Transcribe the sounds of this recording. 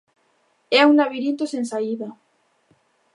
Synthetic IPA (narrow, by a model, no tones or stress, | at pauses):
ɛuŋnaβiɾint̪osensaiða